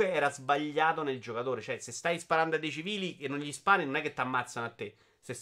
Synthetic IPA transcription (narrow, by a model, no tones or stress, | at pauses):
eɛːɾazbaʎːaːt̪oneld͡ʒokat̪oːɾet͡ʃoɛsest̪ajspaɾand̪oad̪et͡ʃiviːlikenːonʎispaːninonɛkːet̪ːamːat̪sːanoat̪ːe | ses